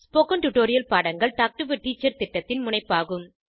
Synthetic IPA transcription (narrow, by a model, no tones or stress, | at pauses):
spoːkɐnʈʊʈoːɾɪjɐlpaːɽɐŋɡɐɭʈaːk̚ʈɯʋɪʈːiːt͡ʃːɐɾt̪ɪʈːɐt̪ːɪnmʊnɐɪpːaːɣɯm